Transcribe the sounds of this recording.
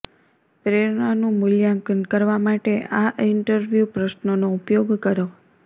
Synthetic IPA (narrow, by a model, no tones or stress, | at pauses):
pɾeɾɳanũmʊljãŋkənkəɾʋamaʈeʔaʔɪɳʈəɾʋjupɾəʃnonoupjoɡkəɾo